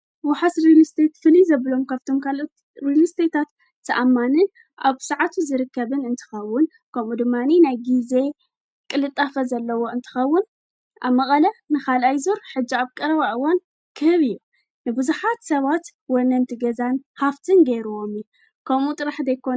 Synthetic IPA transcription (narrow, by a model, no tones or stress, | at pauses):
waħasɾilist̪ʰet̪fɨlizɐβɨlo̞mkʰaft̪ʰo̞mkʰalʔot̪ | ɾilist̪ʰet̪ʰat̪ːʰ | ɐʔamːanɨn | ʔaβsɨʕat̪ʰuzɨɾɨkːɐβɨnɨnt̪ʰɨ̥xɐwːʊn | kʰɐmud̪ɨmːaninajɡize̞ | kʼɨlɨt̪ʼːafɐzɐlːɐwo̞ɨnt̪ʰɨ̥xɐwːʊn | ʔaβmɐχʼɐlɐnɨxalajzuɾħɨd͡ʒːiaβkʼɐɾɐβaʔɨwan | kʰɨhɨβɨjːu | nɨbɨzuħat̪sɐβat̪ | wɔnɐnt̪ʰɨɡɐzanhaft̪ʰɨnɡeɾuwomiju | kʰɐmut̪ʼɨɾaħd̪ɐjkʰon